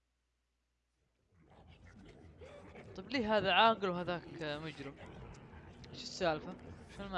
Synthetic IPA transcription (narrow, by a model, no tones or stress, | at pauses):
t̪ˤɑbliːɦaːðaʕaːɡɪlwɦaðaːkmʊd͡ʒɾɪm | ʔɪʃɪsːaːlfafalma